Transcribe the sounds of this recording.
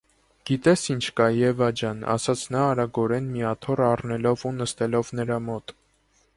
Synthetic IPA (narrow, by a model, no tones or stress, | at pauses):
ɡ̥it̪ɛsint͡ʃʰkɑjɛvɑd͡ʒɑnɑ̰sɑt͡sʰnɑːɾɑɡɔɾɛnmiɑt̪ʰɔrɑrnɛlɔvunəst̪ɛlɔvnəɾɑmɔt̪